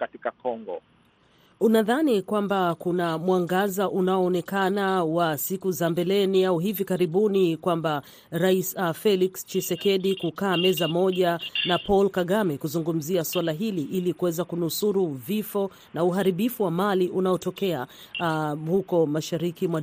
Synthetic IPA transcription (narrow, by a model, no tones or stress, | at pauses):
katikakɔŋɡɔ̰ | unaðanikwambakunamwaŋɡazaʔunaɔːnɛkanawasikuzambɛlɛniauɦivikaɾiɓunikwamba | ɾaisafɛlikst͡ʃisɛkɛɗikukaːmɛzamɔʄanapɔlkaɠamɛkuzuŋɡum̩ziaswalaɦiliʔilikuwɛzakunusuɾuvifɔ | nauɦaɾiɓifuwamaliʔunaɔtɔkɛa | hukɔmaʃaɾikimwa